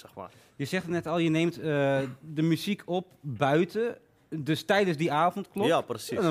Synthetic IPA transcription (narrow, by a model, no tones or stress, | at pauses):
sɛxma̰ | jəsɛxtənɛtɔlˠjəneːmtədəmyzikʰop̚bœɥtə | døstɛjdəsdiaːfɔntklɔaprəsi